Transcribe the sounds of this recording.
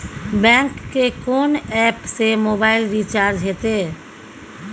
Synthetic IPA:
bɛ̃ːŋkːekoːnɛːpsemoːbaːɪlɾit͡ʃaːɾd͡ʒɦet̪eː

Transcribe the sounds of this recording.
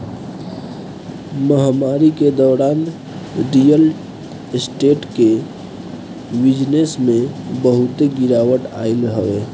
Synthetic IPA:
məɦmaːɾiked̪ɔːɾaːn | ɾijəl | sʈeːʈke | bɪd͡ʒnesmẽbəɦʊt̪eɡɪɾaːwəʈaːɪlɦəʋeː

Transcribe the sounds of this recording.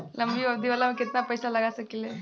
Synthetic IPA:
ləmbiːʋəbd̪ʱiʋalamikit̪napəjsalaɡasəkile

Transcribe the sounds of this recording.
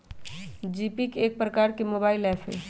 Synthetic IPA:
d͡ʒiːpikeːk̚pɾəkaːɾkemoːbaːilɛːpʰḛ

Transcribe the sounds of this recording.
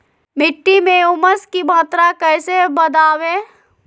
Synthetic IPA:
mɪʈːimẽʊməskimaːt̪ɾakɛːsebɐd̪aːʋẽ

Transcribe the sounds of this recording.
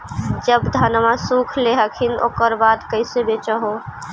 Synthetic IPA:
d͡ʒəbd̪ʱənmasukʰleɦəkʰino̰ːkəɾbad̪kəɪsebet͡ʃəɦo

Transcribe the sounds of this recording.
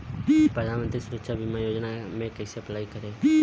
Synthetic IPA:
pɾəd̪ʱaːnmənt̪ɾisʊɾəkʃabʱimãjoːd͡ʒnamẽkəisəplaːikəɾeː

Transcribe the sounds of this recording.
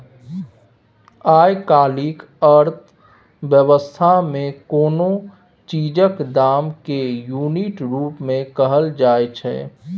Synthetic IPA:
aːjkaːlik | əɾt̪ʰ | bjəwəst̪ʰamẽkoːnõ | t͡ʃiːd͡ʒəkd̪aːmkejuːniʈɾuːpmẽkəɦəld͡ʒaːet͡ʃʰɛ̰ː

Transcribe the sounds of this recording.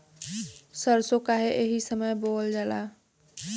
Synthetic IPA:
səɾsokaɦeʔeɦisəməjbold͡ʒala

